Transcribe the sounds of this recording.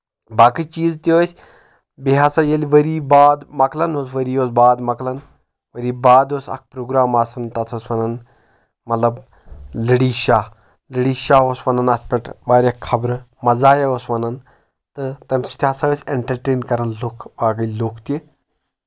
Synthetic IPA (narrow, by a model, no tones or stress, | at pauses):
baːkit͡ʃiːzt̪ʲoːsʲ | biɦaːsajeliʋɐɾiːbaːd̪mɐklɐnosʋɐɾiːosbaːd̪mɐklɐn | ʋɐɾiːbaːd̪osɐ̰k̚ʰpɾoːɡɾaːmaːsɐnt̪ɐt̪ʰosʋɐnɐn | mɐt̪lɐb | lɨɽiːʃaː | lɨɽiːʃaːosʋɐnɐnɐspʲɐʈʋaːɾʲɐkʰːɐbɾɨ | mɐzaːjɐosʋɐnɐn | t̪ɨt̪ɐmʲsi̥t̪ʲaːsaɐsʲeɳʈɐɾʈeːnkɐɾɐnlukʰʋaːɡɐlokʰt̪ʲi